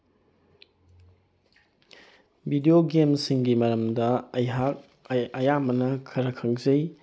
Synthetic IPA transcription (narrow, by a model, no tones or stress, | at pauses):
bidioɡemsiŋɡimɐɾɐmdɐa | ɐjamɐnɐkʰɐɾɐkʰɐŋzɐj